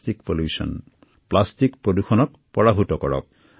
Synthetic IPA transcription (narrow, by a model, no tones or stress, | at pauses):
tikpoljusɔ̰n | plastikpɹoduxʰɔnɔk | pɔɹaɦutɔkɔɹɔ̰k̚